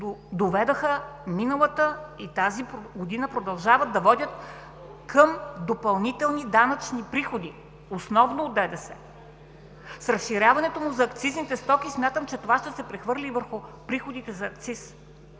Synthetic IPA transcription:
d̪ovɛd̪əxəminəlˠət̪əit̪azipɾɡod̪inəpɾod̪ɐlˠʒavəd̪̚ːɐvɔd̪ʲət̪̚ | kʰəmd̪opɐlˠnit̪ɛlˠnid̪anɐt͡ʃnipɾixod̪i | osnɔvnoːd̪ɛd̪ɛsɛ | sɾəsʃiɾʲjavɐnɛt̪omʊzɐːkt̪siznit̪ɛst̪ɔkʲismʲat̪əmt͡ʃɛt̪ovaʃt̪ɛsɛpɾɛxvɤɾlʲivəɾxʊpɾixod̪it̪ɛzɐːk̚t̪sis

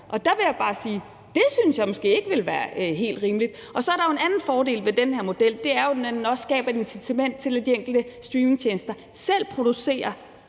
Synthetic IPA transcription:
ʔɒ̽d̥ɑ̈ʋe̝jab̥ɑ̈ːsiː | d̥e̝synsjɑ̈ɪmɒ̽sɡ̥e̝̰ːe̝ɡ̥əʋe̝lʋæːɐɦe̝̰ːld̥ʁiːməlid̥ | ʔɒ̽sɒ̽æɐɾɑjo̝e̝nænn̩fɒːde̝̰ːlʋe̝d̥enheɐ̰mo̝d̥el̰d̥e̝æɐjo̝̥nænn̩ɒ̽sːɡ̥ɛ̰ːb̥ɐe̝d̥ensit͡sʰæmen̰d̥̚t͡sʰe̝læd̥ieŋ̰ɡ̥l̩d̥əsd̥ʁiːme̝ŋt͡ɕʰeːnsd̥ɐ | sel̰pʰʁo̝d̥use̝̰ːɐ

